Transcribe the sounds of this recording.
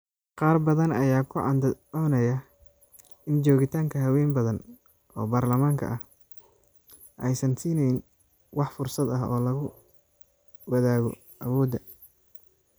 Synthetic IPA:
qɑːrbɐðɐnɐjaːkʰʊʕɑnd̪ɔːnɐjɐ | ɪnt͡ʃɔːɣɪt̪ʰaːŋkʰɐɦɐwɛːnbɐðɐn | ʔɔ̰ːbaːrlɐmaːŋkʰɐ̰ʔɐh | ʔɛjsɐnsiːnɛjn | wɑħfʊrsɐd̪ɐɦɔ̰ːlɐɣʊ | wɐðaːɣɔ̰ | ʔɐwɔːd̪ɐ

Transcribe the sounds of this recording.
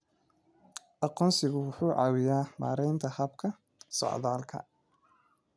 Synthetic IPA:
ʔɑqɔːnsɪɣʊwʊħuːʕɑːwɪjaːma̰ːɾɛjnt̪ʰɐhɐbkʰɐ | sɔ̰ʕðaːlkʰɐ̰

